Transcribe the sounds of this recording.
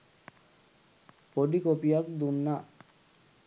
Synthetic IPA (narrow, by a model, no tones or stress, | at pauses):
poɖikopijak̚d̪unːa